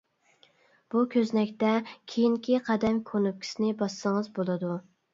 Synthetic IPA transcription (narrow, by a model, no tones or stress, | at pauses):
b̥ukʲʰøznɛkʲt̪ɛkʲʰejiŋkʲiqʰɑd̪ɛmkʲʰonup̚kʲʰi̥sɪnɪbɑsːəŋɨzbolˠɨd̪u